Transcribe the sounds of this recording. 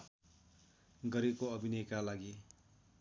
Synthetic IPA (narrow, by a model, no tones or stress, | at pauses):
ɡʌɾekoʌbʱinʌjkalaɡi